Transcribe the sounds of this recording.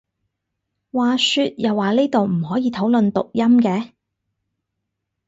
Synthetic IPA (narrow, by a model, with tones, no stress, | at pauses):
waː˨sy˧t̚jɐ˨wːaː˨liː˥t̪o˨wm̩˨˩hɔː˨˥jiː˨˧t̪ʰo˨˥wlɵ˨nt̪ʊ˨k̚jɐ˥mkɛː˨˧